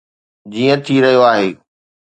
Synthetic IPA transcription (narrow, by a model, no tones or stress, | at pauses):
d͡ʑiːə̃t̪ʰiɾɐɦijoaːɦeː